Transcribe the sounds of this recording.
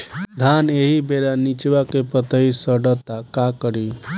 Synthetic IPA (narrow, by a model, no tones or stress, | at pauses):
d̪ʱaneɦibeɾanit͡ʃbakepət̪əɦisəɖət̪akakəɾi